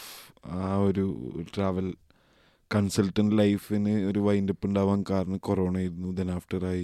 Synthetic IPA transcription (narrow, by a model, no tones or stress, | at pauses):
aːo̞ɾuʈraːʋɐl | kɐnsɐlʈːɐɳɖlɐjfinɨo̞ɾuʋɐjndepːuɳɖaːʋaːnkaːɾɐnɐkoro̞ːɳaːjiɾunːud̪enaːfʈɐraːji